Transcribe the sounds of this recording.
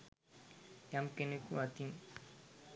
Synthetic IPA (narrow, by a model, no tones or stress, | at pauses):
jamkenekuat̪iŋ